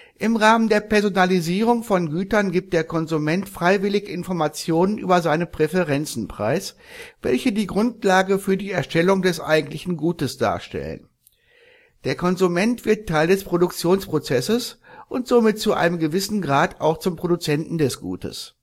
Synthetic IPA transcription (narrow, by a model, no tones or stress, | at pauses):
ʔɪmʁaːməndeːɐpɛɐzonaliziːʁ̞ʊŋfɔnɡyːtɐnɡiːp̚t̚d̥eːɐkʰɔnzumɛntfʁ̥aɪvɪlɪçɪnfɔɐmat͡sjoːnənʔy̰ːbɐzaɪnəpʁ̥ɛfəʁɛnt͡sn̩pʁ̥a̰ɪsv̥ɛ̰lçədiːɡʁʊntlaːɡəfyːɐdiːɛɐʃtɛlʊŋdɛsʔa̰ɪɡŋ̩tlɪçn̩ɡuːtəsd̥a̰ːɐʃtɛ̰lə̰n | d̥eːɐkʰɔnzumɛntv̥ɪɐttʰːaɪldɛspʁ̥odʊk̚t͡sjoːnspʁ̥ot͡sɛsəsʔʊntz̥omɪt̚t͡suʔa̰ɪnəmɡəvɪsn̩ɡʁaːta̰ʊxt͡sʊmpʁ̥odut͡sɛntn̩dɛsɡ̥ṵːtə̰s